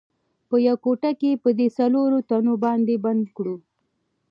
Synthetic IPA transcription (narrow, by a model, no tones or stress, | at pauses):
pəjawkoʈakepəd̪esaloɾot̪anobɑnd̪eband̪kɽu